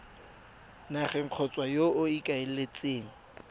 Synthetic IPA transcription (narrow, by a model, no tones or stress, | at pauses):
naχɛŋ̩q͡χʰɔt͡sʼwajoʊikʼaelet͡sʼeːŋ̩